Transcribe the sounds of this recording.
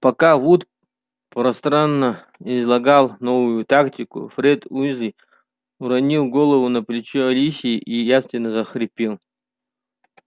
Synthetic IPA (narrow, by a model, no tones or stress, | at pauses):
pɐkavut̪ | pɾɐst̪ɾanːə | ɪzlˠɐɡalˠnovʊjut̪aktʲikʊ̰fɾɛd̪uzi | uɾɐnʲilˠɡolˠəvʊnɐplʲɪt͡ɕeɐlʲisʲiʔijast̪vʲɪnːəzɐxɾʲɪpʲilˠ